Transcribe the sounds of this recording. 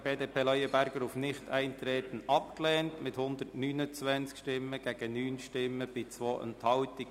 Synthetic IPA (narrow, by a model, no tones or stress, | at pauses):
b̥eːdeːpʰeːlœjəbæɾɡ̥əɾʊfnɪχtʰɛɪnt̪ɾeːt̪ən̩ɑpklɛːntmɪthʊnd̪ərtnyːnət͡sʋɛnt͡skʃtɪmːəɡ̥æɡ̥ənyːnʃtɪmːəb̥ɪt͡sʋoːʔə̰nt̪hɑlti